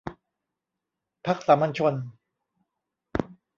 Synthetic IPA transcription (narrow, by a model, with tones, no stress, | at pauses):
pʰa˦˥k̚sa˩˦ma˧nt͡ɕʰo˧n